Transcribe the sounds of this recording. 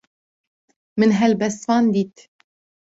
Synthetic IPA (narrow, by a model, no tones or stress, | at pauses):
mɨnɦɛlbɛst̪fɑːnd̪iːt̪